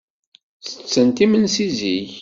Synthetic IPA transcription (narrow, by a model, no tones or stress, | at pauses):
θə̥t͡sːənt̪imənsiziç